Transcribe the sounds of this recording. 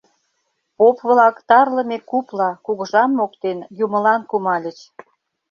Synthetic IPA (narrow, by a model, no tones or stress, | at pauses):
popβlɑkt̪ɑrləmekuplɑkuɣə̆ʒɑmːokt̪enjumə̆lɑnkumɑlʲə̆t͡ɕ